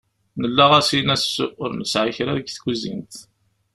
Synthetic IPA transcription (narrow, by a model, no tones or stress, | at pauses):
nəlːæʁæsinæsʔʊɾnəsʕiçɾæðɡθɡuzḭnt̪